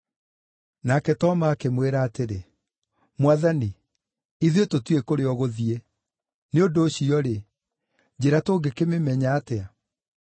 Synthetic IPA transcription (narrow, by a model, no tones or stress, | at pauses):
nakɛtɔmaːkemweɾaːteɾe | mwaðani | iðiototwekoɾeɔɣoðie | neodoːɕiɔɾe | d͡ʑeɾatoːɡekememɛɲaːtea